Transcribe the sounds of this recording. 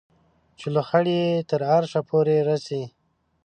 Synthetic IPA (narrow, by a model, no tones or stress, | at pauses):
t͡ʃeləxaɽiet̪əɾaɾʃapʰoɾeɾasi